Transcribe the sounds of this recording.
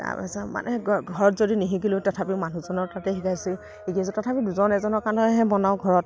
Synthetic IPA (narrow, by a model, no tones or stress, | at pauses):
ta̰pa̰sama̰nʔɛɡʱɔɹɔtzodiniɦikilʊtɔtʰapimanuzɔnɔɹtatɛxikʰajsi | ekias̬ɔtɔtʰapiduzɔnɛzɔnɔɹkanɔɦɛbɔnaʊɡʱɔɹɔt